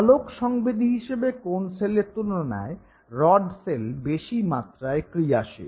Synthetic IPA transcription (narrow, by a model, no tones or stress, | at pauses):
alokʃɔŋbed̪ʱiɦiʃebekonseleɾt̪uloɾona̰e | ɾɔɖselbeʃimat̪ɾaekɾiaʃḛ